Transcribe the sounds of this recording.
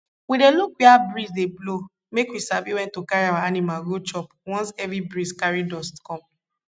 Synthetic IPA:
wideluk̚biabɹisdeblo | mekwisaviwɛ̃ntokaɹiawaanimalɡot͡ʃɔpwɔ̃nsɛvɹibɹiskaɹidɔskɔ̃m

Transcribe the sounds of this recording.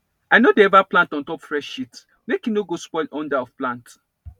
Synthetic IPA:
ajnodeɛvaplãntɔ̃ntɔpfɹɛʃit | mekinoɡospɔɪlɔ̃ndaɔfplãnt

